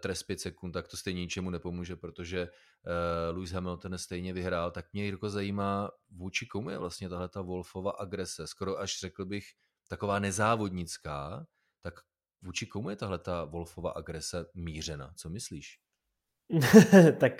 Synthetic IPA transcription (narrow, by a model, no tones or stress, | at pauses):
t̪ɾɛspjɛt̪sɛkunt̪t̪ak̚t̪o̞st̪ɛjɲɛɲɪt͡ʃɛmunɛpo̞muːʒɛpɾo̞t̪o̞ʒɛ | lujsɦɛmɪlt̪onst̪ɛjɲɛvɪɦɾaːlt̪akmɲɛɪɾkozajiːmaːvuːt͡ʃɪkomujɛ̰vlast̪ɲɛt̪aɦlɛt̪avo̞lfo̞vaːʔaɡɾɛsɛsko̞ɾoʔaʃr̥ɛkl̩bɪx | t̪ako̞vaːnɛzaːvo̞dɲɪt͡skaː | t̪ak | vuːt͡ʃɪkomujɛt̪aɦlɛt̪avo̞lfova̰ːʔaɡɾɛsɛmiːr̝ɛna̰t͡so̞mɪsliːʃ | t̪ak